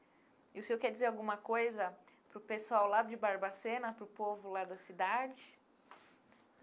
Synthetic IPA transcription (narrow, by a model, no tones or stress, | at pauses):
ɪʊsewkɛɾd͡ʒizeɾawɡũmɐkojzɐ | pɾʊpesuawlad̪ʊd͡ʒɪbaɾbasẽnɐpɾʊpovʊlad̪ɐsid̪ad͡ʒɪ